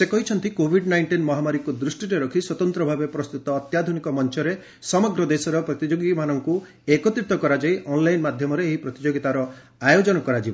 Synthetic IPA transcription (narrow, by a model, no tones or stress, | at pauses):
sekɔɦit͡ʃʰɔnt̪ikobʱiɖnajɳʈinmɔɦamaɾikud̪ɾusʈiɾeɾɔkʰiswɔt̪ɔnt̪ɾɔbʱabepɾɔst̪ut̪ɔːt̪jad̪ʱunikɔmɔnt͡ʃɔɾe | sɔmɔɡɾɔd̪esɔɾɔpɾɔt̪id͡ʒoɡimanɔŋku | ekɔt̪ɾit̪ɔkɔɾad͡ʒaiʔɔnlajnmad̪ʱjɔmɔɾeːɦipɾɔt̪id͡ʒoɡit̪aɾɔ | ajod͡ʒɔnɔkɔɾad͡ʒibɔ